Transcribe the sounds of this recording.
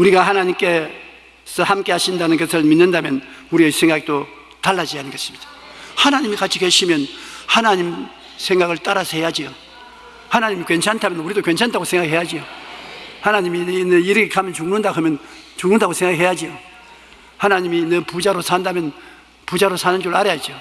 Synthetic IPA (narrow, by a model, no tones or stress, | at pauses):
uɾiɡaɦanaɲimk͈e̞ | sʰʌhamk͈e̞haɕʰindanɯnɡʌsʰɯɭminːɯndamjʌnuɾieisʰe̞ŋɡaɡ̚do | taɭːad͡ʑiɦanɯnɡʌɕ͈ɯ̥mɲid̥ḁ | hanaɲimikat͡ɕʰike̞ɕʰimjʌnhanaɲim | sʰeŋɡaɡɯɭt͈aɾasʰʌhe̞jad͡ʑijo | hanaɲimikwe̞nt͡ɕʰantʰamjʌnuɾidokwe̞nt͡ɕʰandaɡosʰe̞ŋɡaɦejad͡ʑio | hanaɲiminenɯiɾɯkʰekʰamjʌnt͡ɕuŋnɯndakʰamjʌn | t͡ɕuŋnɯndaɡosʰe̞ŋɡahɦe̞jad͡ʑijo | hanaɲiminɯpud͡ʑaɾosʰandamjʌn | pud͡ʑaɾosʰanɯnd͡ʑuɾɯɭaɾejad͡ʑio